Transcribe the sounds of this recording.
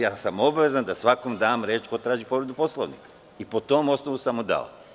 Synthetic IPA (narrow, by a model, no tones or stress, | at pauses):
jaːsamo̞baʋezand̪asʋakomd̪aːmɾeːt͡ʃko̞t̪ɾaːʒipo̞ɾed̪upo̞slˠo̰ʋnḭkḁ | ipo̞t̪omo̞snoʋusamːud̪a̰o̰